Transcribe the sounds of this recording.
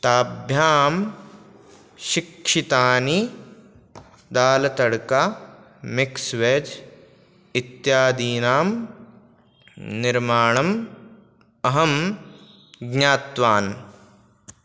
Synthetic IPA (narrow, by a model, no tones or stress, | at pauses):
t̪aːbʱjaːm | ʃɪkʃit̪aːni | d̪aːlɐt̪ɐɽka | mɪksʋeːd͡ʒ | ɪt̪jaːd̪iːnaːm | nɪɾmaːɳɐm | ɐɦɐm | ɡɲaːt̪ʋaːn